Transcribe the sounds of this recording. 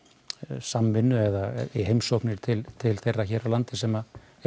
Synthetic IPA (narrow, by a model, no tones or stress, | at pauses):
samvɪnːʏɛðaiɦejmsowknɪɾ̥t̪ʰɪlt̪ʰɪlθejrːaçɛːralant̪ɪsɛma